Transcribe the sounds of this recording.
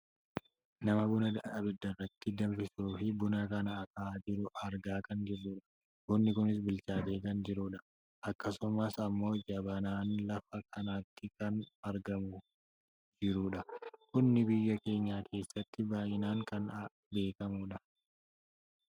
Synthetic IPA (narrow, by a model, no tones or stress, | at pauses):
nɐmɐbʊnɐd̪ɐʔʔɐbɪd̪ːɐrːɐt̪ːɪd̪ɐɱfɪsuːfɪbʊnɐkɐnɐːkɐːd͡ʒɪɾʊɐɾɡaːkɐnd͡ʒɪɾuːᶑɐ̥ | kʊnːɪkʊnɪs̬bɪlt͡ʃaːt̪e̞ːkɐnd͡ʒɪɾuːᶑɐ | ʔɐkːɐsʊmɐsɐmːo̞ːd͡ʒɐbɐnaːnlɐfɐkʰɐnaːt̪ːɪkɐnɐɾɡɐmʊ | d͡ʒɪɾuːᶑɐkʊnːɪbɪjːɐke̞ːɲːaːkʰe̞ːsːɐt̪ːɪbaːjɪnaːŋkɐn | be̞ːkɐmuːᶑɐ